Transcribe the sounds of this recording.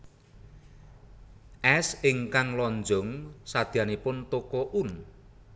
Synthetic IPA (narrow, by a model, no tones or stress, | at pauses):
ʔɛsɪŋkaŋlɔnd͡ʒʊŋsad̪̥i̤anepʊnt̪okɔʔun